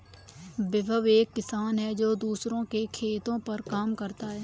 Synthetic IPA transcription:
bɪbʱəʋeːkːɪsaːnɦɛd͡ʒoːd̪uːsɾõkekʰeːt̪õpɐɾkaːmkɐɾt̪aɦɛː

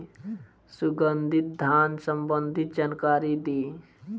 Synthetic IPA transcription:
suɡənd̪ʱit̪̚d̪ʱansəmbənd̪ʱit̪̚d͡ʒankaɾid̪iː

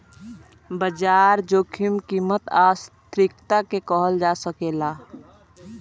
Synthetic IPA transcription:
bəd͡ʒaːɾd͡ʒoːkʰɪmkiːmət̪aːst̪ɾɪkt̪akekɔɦəld͡ʒaːsəkeːlaː

